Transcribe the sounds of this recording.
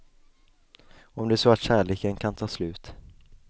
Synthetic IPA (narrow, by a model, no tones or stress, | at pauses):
ɔmd̪ɛæːʂsoat̪ɕæːɭeːkənkʰant̪ʰɑːslʉ̟ːt̪